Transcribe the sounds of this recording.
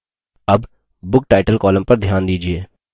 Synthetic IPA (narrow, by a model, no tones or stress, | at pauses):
ɐb | bʊk̚ʈaːɪʈəlkɔːlə̃mpɐɾd̪ʱjaːnd̪iːd͡ʒieː